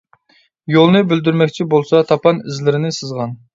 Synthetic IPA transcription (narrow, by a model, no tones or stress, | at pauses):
jolˠnɨbyld̪yɾmɛkʲt͡ʃʰibolˠsɑt̪ʰɑpɑnɪzlɪɾɪnɪsɨzʁɑn